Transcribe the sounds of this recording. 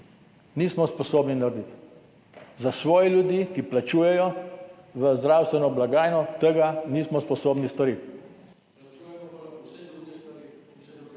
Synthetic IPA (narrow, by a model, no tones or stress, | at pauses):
niːsmɔspɔsoːbninaɾd̪it̪ | zasʋɔːjɛljud̪jiːkiplat͡ʃuːjɛjɔ | ʋəzd̪ɾaːwst̪ʋɛnɔblaɡaːjnɔt̪əɡaniːsmɔspɔsoːbnist̪ɔɾit̪